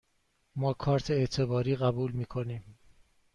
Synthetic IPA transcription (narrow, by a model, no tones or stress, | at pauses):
mɒːkʰɒːɾt̪ʰeet̪ʰe̞bɒːɾiːɣæbuːlmiːkʰoniːm